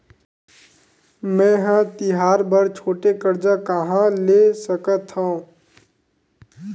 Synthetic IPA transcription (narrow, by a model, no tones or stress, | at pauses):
mɛ̃ːɦãt̪ɪɦaːɾbəɾt͡ʃʰoːʈekəɾd͡ʒakəɦãleːsəkət̪ɦõː